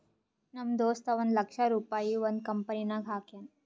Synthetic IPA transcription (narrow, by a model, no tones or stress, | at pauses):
nɐmd̪oːst̪ɐʋɐnd̪lɐkʂaɾuːpaːjiʋond̪̚kɐmpɐninɐɡʱaːkjɐn